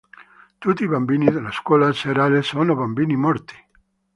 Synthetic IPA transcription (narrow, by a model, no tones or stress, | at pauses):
t̪ut̪iβambiniðelaskwɔlaseɾalesonoβambinimɔɾt̪i̥